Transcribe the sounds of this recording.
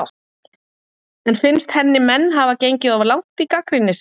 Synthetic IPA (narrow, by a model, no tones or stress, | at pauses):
w | ɛnfɪnst̪hɛnːɪmɛnːɦavacejɲcɪðɔvlawŋt̪ikakɾinːɪs